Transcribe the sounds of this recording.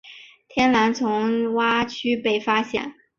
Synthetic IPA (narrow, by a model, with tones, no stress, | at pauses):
t̪ʰjɛ˥nla˧˥nt͡sʰʊ˧˥ŋwa˥t͡ɕʰy˥pe˥˩ɪfa˥ɕjɛ̰˥˩˦n